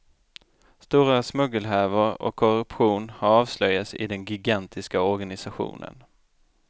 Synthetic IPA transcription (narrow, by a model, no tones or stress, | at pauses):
st̪uːɾasmɵɡəlɦæːvəɾɔ̰kʰːɔɾɵpɧuːnhaɾɑːvslœjːasɪ̰d̪ɛnɡʏɡant̪ʰɪskaɔɾɡanɪsaɧṵːnə̰n